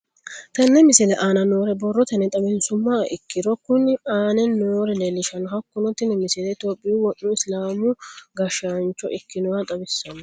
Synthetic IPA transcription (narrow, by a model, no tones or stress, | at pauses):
t̪ɐnːɛmɪsɛlɛʔaːnɐnoːɾɛbɔrːɔt̪ɐnɛt̪ʼɐbɛnsʊmːaːʔɪkːɪɾɔkʊnːɪaːnɛnːoːɾɛlelːɪʃɐnɔɦɐkːʊnɔt̪ːɪnɛmɪsɛlɛt̪oːpʼːɪjuwɔnːʊɪslaːmʊɡɐʃant͡ʃːɔ̰ʔɪkːɪnɔwɐt̪ʼɐbɪsːɐn